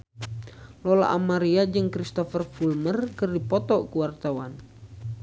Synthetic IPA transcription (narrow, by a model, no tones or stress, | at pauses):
lɔla̰ʔamaɾiad͡ʒɨŋkɾist̪ɔfərfulmərkɨrdipɔt̪ɔkuwart̪awan